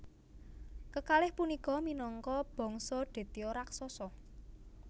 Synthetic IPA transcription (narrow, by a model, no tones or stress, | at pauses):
kəkalɪhpunikɔminɔŋkɔb̥ɔ̤ŋsɔɖ̪̥e̤t̪iɔɾaksɔsɔ